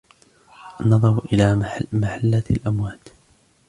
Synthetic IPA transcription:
ʔanːɑðˤɑɾˤʔɪlaːmaħalːalʔamwaːt̪

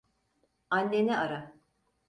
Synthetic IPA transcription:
anʲːenɛaɾa

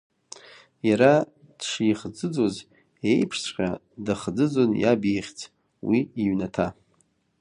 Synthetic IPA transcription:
jaɾa | d̥ʂijχd͡zɨd͡zo̞z | ejpʰʂsqʲa | dɨχd͡zɨd͡zo̞nja̰beχʲt͡sʰʼ | wiiɥnatʰa

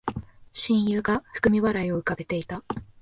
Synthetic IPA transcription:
ɕĩɰ̃jɯːɡaɸɯ̟̥kɯ̟mʲiβaɾaio̞ɯ̟kabe̞t̪e̞it̪a

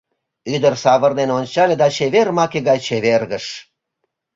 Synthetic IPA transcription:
yd̪ərsɑβə̆rd̪enonʲt͡ɕɑlʲed̪ɑt͡ɕeβermɑkeɣɑjt͡ɕeβerɣəʃ

